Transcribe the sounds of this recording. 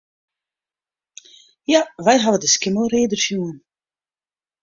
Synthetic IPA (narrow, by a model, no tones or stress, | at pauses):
javɛjɦavədəskɪməlˠreːdərfjuːən